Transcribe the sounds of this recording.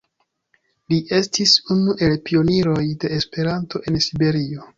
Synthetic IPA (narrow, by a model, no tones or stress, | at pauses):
liʔe̞stisunuʔe̞lpio̞niɾo̞jde̞ːspe̞ɾanto̞ʔe̞nsibe̞ɾio̞